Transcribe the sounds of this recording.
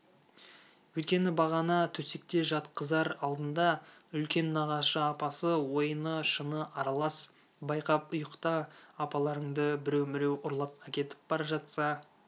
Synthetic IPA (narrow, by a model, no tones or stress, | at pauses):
wɵt̪̚kʲe̞nɪbɑʁɑnɑt̪ʰɵse̞k̚t̪e̞ʒɑt̪qəzɑɾɑlˠd̪ənd̪ɑʏlkʲe̞nːɑʁɑʃəɑpɑsəwo̞jənəʃənəʔɑɾɑlˠɑs | bɑjqɑpʊjəqt̪ɑːpɑlˠɑɾəɴd̪əbɪɾe̞wmɪɾe̞wʊɾlˠɑp̚ækʲe̞t̪ɪ̥p̚bɑɾɑʒɑt̪sɑ